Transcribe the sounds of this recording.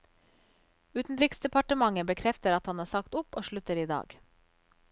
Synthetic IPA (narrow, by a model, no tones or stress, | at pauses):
ʉːt̪n̩ɾɪksd̪ɛpɑʈəmɑŋəbəkʰɾɛft̪əɾɑt̪hɑnhɑːsɑkt̪ʊpoːʃɭʉt̪əɾiːd̪ɑ̰ːɡ